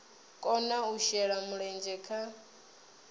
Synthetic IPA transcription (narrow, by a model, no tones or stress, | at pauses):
kʼɔnauʃɛɺamuɺɛnd͡ʒɛkʰa